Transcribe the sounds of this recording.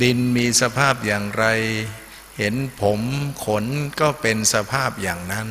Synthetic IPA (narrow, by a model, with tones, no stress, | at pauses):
d̪i˧nmiː˧sa˧pʰaː˥˩p̚jaː˨˩ŋɾa˧j | he˩˦npʰo˩˦mkʰo˨˦˥nkɔː˥˩pe˧nsa˧pʰaː˥˩p̚jaː˨˩ŋna˦˥n